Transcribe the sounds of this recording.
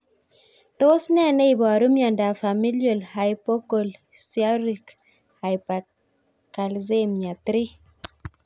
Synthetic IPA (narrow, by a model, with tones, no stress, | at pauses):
to˦snɛ˦nɛ˦i˨bɔ˨ɾu˦mja˨nda˨fa˨mi˦ljo˨lha˨jpo˦ko˨lsia˦ɾi˨k | ha˨jpa˨ | ka˨lze˦mja˨t̪ɾi˦